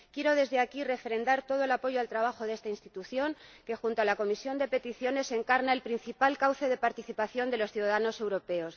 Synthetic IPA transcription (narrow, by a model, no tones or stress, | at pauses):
kje̞ɾo̞ð̞e̞zðe̞akire̞fɾe̞nd̪aɾt̪o̞ð̞oelapo̞ʝoalt̪ɾaβ̞axo̞ðe̞st̪ainst̪it̪uθjo̞ŋke̞xunt̪oalako̞misjo̞nd̪e̞pe̞t̪iθjo̞ne̞se̞ŋkaɾnaelpɾin̟θipalkawθe̞ð̞e̞paɾt̪iθipaθjo̞nd̪e̞lo̞sθjuðaðano̞se̞wɾo̞pe̞o̞s